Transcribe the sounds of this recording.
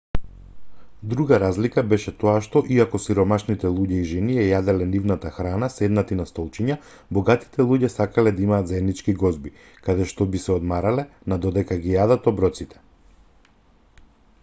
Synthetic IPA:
d̪ɾuɡaɾazlikabɛʃɛt̪ɔaʃt̪ɔʔiakɔsiɾɔmaʃnit̪ɛlˠuɟɛiʒɛniɛjad̪ɛlɛnivnat̪axɾanasɛd̪nat̪inast̪ɔlˠt͡ʃiɲa | bɔɡat̪i̥t̪ɛlˠuɟɛsakalɛd̪aimaːt̪zaɛd̪nit͡ʃkiɡɔzbi | kad̪ɛʃt̪ɔbisɛɔd̪maɾalɛnad̪ɔd̪ɛkaɡijad̪at̪ɔbɾɔt̪sit̪ʰɛ̥

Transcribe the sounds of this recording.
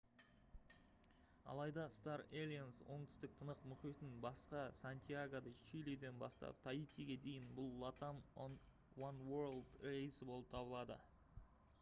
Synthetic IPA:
ɑ̰lˠɑjd̪ɑst̪ɑɾelʲijanswo̞ɴt̪ʰʏ̥st̪ɪk̚t̪ʰənəqmʊqijt̪ɪnbɑsqɑsant̪ʲʰijaɡod̪əʃiled̪e̞nbɑ̰st̪ɑ̰p̚t̪ʰajit̪iɡʲe̞d̪e̞jɪnbʊlˠːɑt̪amn | wanwəɾlˠd̪rejsɪbo̞lˠəp̚t̪ʰɑbəlˠɑd̪ə̰

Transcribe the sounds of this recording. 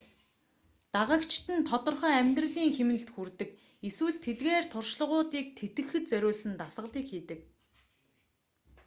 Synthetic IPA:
t̪aʁə̆kt͡ɕt̪ɘ̆nt̪ʰɔt̪ɞ̆rχœːæmʲt̪rə̆ɮiːŋxemɘ̆ɘ̆ɬt̪xurt̪ɘ̆k | eswɘ̆ɮt̪ʰetɣeːrt̪ʰʊrʃɮə̆ʁʊːt̪iːk̚t̪ʰet̪ɡɘ̆xɘ̆t̪t͡sœɾʲʊːɮsɘ̆nt̪asʁə̆ɮiːkxiːt̪ɘ̆k

